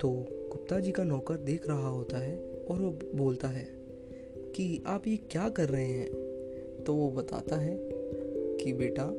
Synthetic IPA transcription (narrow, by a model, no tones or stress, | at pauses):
t̪oːkʊp̚t̪ad͡ʒiːkanɔːkəɾd̪eːkʰɾɐɦaɦoːt̪aɦɛɔːɾʋoboːlt̪aɦɛː | kiaːpjekjaːkɐɾːɐɦẽɦɛ̃ː | t̪oːʋobɐt̪a̰ːt̪aɦɛ | kibeːʈa